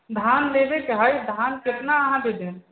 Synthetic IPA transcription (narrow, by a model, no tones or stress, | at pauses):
d̪ʱaːnleːbekeɦajid̪ʱaːnkɪt̪naəɦãd̪ed̪ʱe